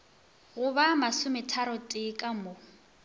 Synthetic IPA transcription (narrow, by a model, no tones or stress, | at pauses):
ɣʊβamasʊmɛtʰaɾɔtʼɪkʼamo